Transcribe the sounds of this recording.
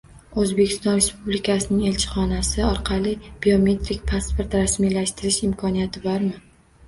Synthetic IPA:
ɵzbe̞kʲʰɪ̥st̪ɒnɾe̞spublikʲʰasɪnɪŋe̞lʲt͡ʃʰɪ̥χɒnasɪɒɾqʰɑlˠɪb̥iome̞t̪ɾik̚ʲpʰaspoɾt̪ɾasmijlaʃt̪ɪɾɪʃɪmkʰɒnijat̪ʰɪbɒɾmɪ

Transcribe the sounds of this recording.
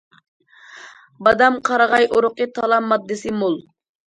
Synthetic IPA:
bɑd̪amqʰɑɾɑʁɑjʔoɾʊqit̪ʰɑlˠɑmːɑd̪ːɪsimulˠ

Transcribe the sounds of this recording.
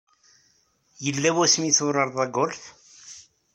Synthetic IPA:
jəlːæwæsmiθʊrˤɑɾˤðˤɑɡolθ

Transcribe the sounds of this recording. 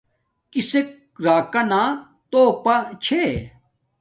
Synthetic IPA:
kisek | ɾaːkɐnaː | t̪oːpɐt͡ɕʰe

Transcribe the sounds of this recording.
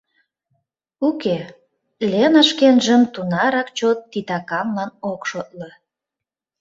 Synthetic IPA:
uke | lʲenəʃkenʒəmt̪unɑɾɑkt͡ɕot̪ːit̪ɑkɑmlɑnokʃot̪̚lə̆

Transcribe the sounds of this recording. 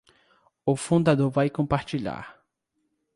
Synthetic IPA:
ʊfũnd̪ad̪oɾvajkõmpaɾt͡ʃiʎa̰ɾ

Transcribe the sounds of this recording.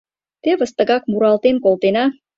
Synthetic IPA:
t̪eβə̆st̪ə̆ɣɑk̚muɾɑlt̪enkolt̪enɑ

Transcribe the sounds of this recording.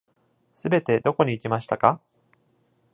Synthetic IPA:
sɨbe̞t̪e̞d̪o̞ko̞ɲ̟iːkʲimaɕi̥t̪aka

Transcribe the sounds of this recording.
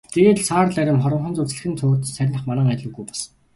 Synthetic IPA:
t̪ʰeɣeːɮsʰaːrɮæɾʲɪ̆nχɔɾə̆mχɞ̆nt͡surt͡sɮɘ̆xɘ̆nt͡s̪ʰoːrt̪sæɾʲnə̆χmanæːŋæt̪ɮə̆ɡujpḁs

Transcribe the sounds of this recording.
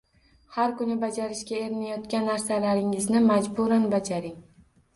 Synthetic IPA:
haɾkʊnɪbad͡ʒaɾɪʃkʲae̞ɾmajɒt̪kʲanːaɾsalaɾɪŋɪznɪmad͡ʒbuɾanbad͡ʒaɾɪŋ

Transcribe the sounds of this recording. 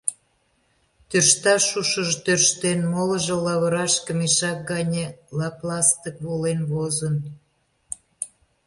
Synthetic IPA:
t̪ørʃt̪ɑʃuʃəʒt̪ørʃt̪enmoləʒə̆lɑβəɾɑʃkəmiʃɑk̚ɡɑnʲelɑplɑst̪ək̚βolenβozən

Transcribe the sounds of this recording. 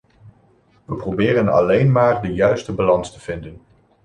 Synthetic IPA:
ʋəprowbɪːrənɑ̰lejnmaːrdəjœɥstəbalɑnstəv̥ɪndən

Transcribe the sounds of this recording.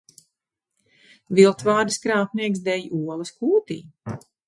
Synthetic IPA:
vilˠt̪vaːd̪ɨskɾaːpniɛksd̪ɛjuɔlˠɐskuːt̪ḭː

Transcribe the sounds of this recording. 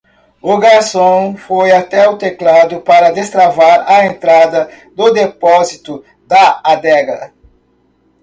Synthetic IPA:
ʊɡaɾsõw̃fojat̪ɛʊt̪eklad̪ʊpaɾɐd̪est̪ɾavaɾɐẽnt̪ɾad̪ɐ | d̪ʊd̪epɔzit̪ʊ | d̪ɐad̪ɛɡɐ

